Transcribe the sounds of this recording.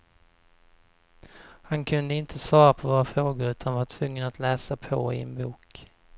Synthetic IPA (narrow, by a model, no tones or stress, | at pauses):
hankʰɵnd̪əɪnt̪ʰəsvɑːɾapʰɔvoːɾafɾoːɡʊɾʉ̟ːt̪ʰanvaʈʰvɵŋːənat̪lɛːsapʰɔ̰ɪ̰ɛ̰nbuːk